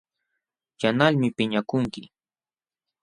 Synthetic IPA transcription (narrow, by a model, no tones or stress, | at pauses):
janaʎmɪpɪɲakʊŋkɪ